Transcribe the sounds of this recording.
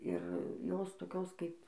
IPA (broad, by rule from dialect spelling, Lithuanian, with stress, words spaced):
ɪr ˈjoːs toːˈkʲoːs kɐɪp